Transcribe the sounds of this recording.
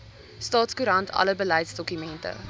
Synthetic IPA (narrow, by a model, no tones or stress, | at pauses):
stɑːtskuɾɐntʰɐ̰ləbəlɛjtsdɔkymɛntə̰